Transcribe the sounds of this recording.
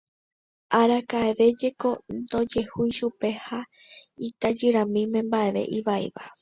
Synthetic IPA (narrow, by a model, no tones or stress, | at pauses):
ʔaɾakaeʋe̞d͡ʒe̞ko̞nd̪o̞d͡ʒe̞hujʃupe̞ha | it̪ad͡ʒɨɾãmĩmẽ̞mbae̞ʋe̞̰ʔiʋaḭʋa